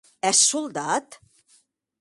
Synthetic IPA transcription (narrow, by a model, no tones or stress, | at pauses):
ɛsuld̪at̪